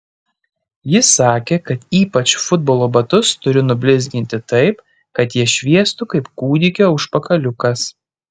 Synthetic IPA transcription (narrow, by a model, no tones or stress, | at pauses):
jɪsɑːkʲeːkɐt̪iːpɐt͡ʃfʊd̪̚boːlˠoːbɐt̪ʊst̪ʊɾʲɪnʊbʲlʲɪzʲɡʲɪnʲt̪ʲɪt̪ɐɪp | kɐt̪jiɛʃʲʋʲiɛst̪ʊkɐɪpkuːd̪ʲɪkʲoːʊʃpɐkɐlʲʊkɐs